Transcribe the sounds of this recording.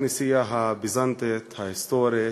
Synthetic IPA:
nisijaɦabizɐnt̪et̪ʰɐist̪oːɾe

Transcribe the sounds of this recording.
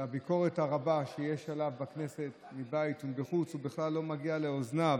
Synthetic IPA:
abiko̞ʁethaʁabaʃejeʃalavbaknese̞t̪mibaitubeχut͡subiχlalːo̞maɡiale̞ozna

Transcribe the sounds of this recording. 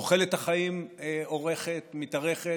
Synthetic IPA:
oχe̞let̪haχaimeoʁe̞χet̪mit̪aʁe̞χe

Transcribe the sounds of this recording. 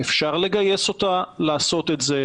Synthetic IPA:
efʃaʁle̞ɡaje̞so̞t̪alaːso̞t̪etze

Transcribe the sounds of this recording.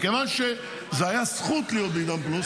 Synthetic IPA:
kevanʃɛ | zeajasχut̪lijod̪id̪amplus

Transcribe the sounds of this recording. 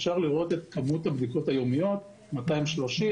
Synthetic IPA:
fʃaʁliʁo̞te̞t̪kamuthabd̪iko̞thajo̞mijo̞t | mataimʃloʃi

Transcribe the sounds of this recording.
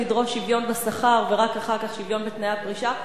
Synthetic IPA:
idʁofʃivjo̞nbasaχaʁveʁakaχaʁkaχʃivjo̞nbet̪najapʁiʃa

